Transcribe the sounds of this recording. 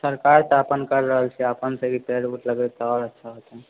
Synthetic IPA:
səɾkaɾt̪apənkəɾːəɦəlt͡ʃʰiəpənsə̃ɡipeluʈləɡet̪ɔɔɾətːʃʰaɦot̪e

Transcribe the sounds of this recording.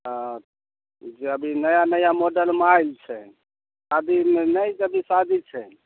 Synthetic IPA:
d͡ʒeəbʱinəjanəjamoɖəlmajlt͡ʃʰɛ | sad̪ʱimenəjd͡ʒəbʱisad̪ʱit͡ʃʰɛ

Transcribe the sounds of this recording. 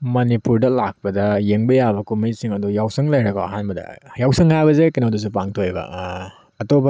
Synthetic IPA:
mɐnipuɾdɐlak̚pɐdɐjeŋbɐjabɐkumijsiŋɐdujawsɐŋlɐjɾɐko̰ɐ̰ɦanbɐdɐ̰jawsɐŋajbɐzekinodus̬upaŋtʰojbɐ̰ | ɐtobɐ

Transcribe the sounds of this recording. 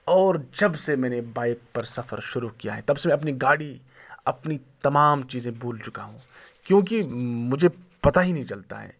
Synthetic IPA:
ɔːɾd͡ʒɐbsemɛ̃ːnebaːɪk̚pɐɾsɐfə̰ɾʃʊɾukija̰ɦɛ̰t̪ɐbsemɛ̃ɐpniɡaːɽi | ɐpnit̪ɐmaːmt͡ʃiːzẽbʱuːlt͡ʃʊkaɦũː | kjõːk̬imʊd͡ʒʱe | pɐt̪aɦinɐɦĩt͡ʃɐlt̪a̰ɦɛ̰ː

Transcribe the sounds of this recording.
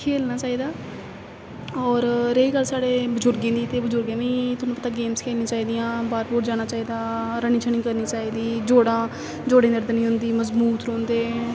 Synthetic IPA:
kʰeːlnaːt͡ʃaːiːd̪aː | ɔːɾɾeiːɡəlːsaːɽeːbəzʊɾɡẽːd̪iːt̪eːbəd͡ʒʊɾɡãːʋĩːt̪ʊnũpət̪aːɡeːmskʰɛːnĩːt͡ʃaːiːd̪ijãːbaːɾpoːɾd͡ʒaːñaːt͡ʃaːiːd̪aːɾəɳiːt͡ʃʰəɳĩːkəɾniːt͡ʃaːiːd̪iːd͡ʒoːɽãː | d͡ʒoːɽẽːnəɾd̪nĩːɦʊnd̪iːməzbuːt̪ɾõːnd̪eː

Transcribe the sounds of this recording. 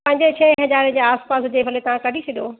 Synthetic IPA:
pɐ̃ɦɪ̃ɲd͡ʑet͡ɕʰɛ̃ɦɐzaːɾĩd͡ʑeːaːspaːsʊd͡ʑeːʋʱɐlet̪ɐʋ̤ãkɐɖʱisʰeɗ̪joː

